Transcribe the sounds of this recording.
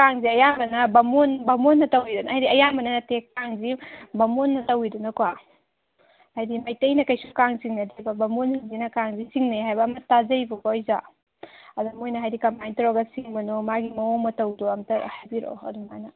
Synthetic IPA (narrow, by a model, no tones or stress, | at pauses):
kaŋziɐjamɐnɐbɐmonbɐmonːɐtɐwidunɐajdiɐjamɐnɐnɐtekaŋzibɐmonːɐtɐwidunɐkwa | hajdimɐjtɐjnɐkɐjsukaŋsiŋnɐdibɐbɐmonhinzinɐkaŋzisiŋnejɦajbɐːmɐtazɐjbɐkɔɔjza | ɐdɐmojnɐɦajdikɐmpajntɾɔɡɐsiŋbɐnomaɡimɐɔmɐtɐwduɐmtɐɾhɐbiɾɔ̰ɐ̰dumanɐ